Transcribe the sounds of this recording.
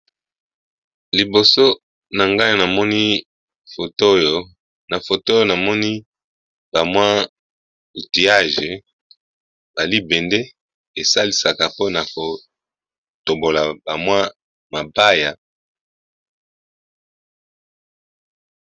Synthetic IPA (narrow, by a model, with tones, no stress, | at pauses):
li˨bo˨so˦ | na˨ŋɡa˦ji˦˨na˨mɔ˦ni˦ | fo˨to˦jo˦ | na˨fo˨to˦jo˦na˨mɔ˦ni˦ | ba˨mwa˦ | u˨ti˨a˦ʒe˨ | ba˨li˦bɛ˨nde˦ | e˨sa˦li˨sa˨ka˨po˦na˨ko˨ | to˨bo˨la˨ba˨mwa˦ | ma˨ba˦ja˨